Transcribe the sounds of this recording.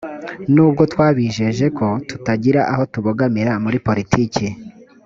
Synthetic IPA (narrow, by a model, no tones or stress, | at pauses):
nuːb̚ɡo̞twaːβiʒe̞ʒe̞ko̞tutaɟiɾaʔaɦo̞tuβoɡamiɾamuɾipo̞ɾitʰiːci